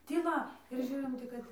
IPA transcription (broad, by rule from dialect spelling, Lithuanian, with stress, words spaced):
tʲiːˈlˠɐ ɪr ˈʒʲuːrʲɪm ˈtʲɪk kɐt